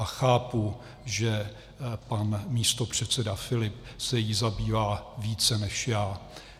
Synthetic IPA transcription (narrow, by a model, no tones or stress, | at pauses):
axaːpu | ʒɛ | panmiːst̪o̞pr̝̥ɛt̪t͡sɛdafɪlɪp | sɛjizabiːvaːviːt͡sɛnɛʃjaː